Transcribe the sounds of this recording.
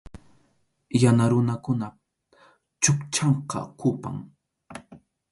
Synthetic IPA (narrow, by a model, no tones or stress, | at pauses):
janaɾʊnakʊna | t͡ʃʊkt͡ʃɑɴqɑ̰qʰʊpa̰ŋ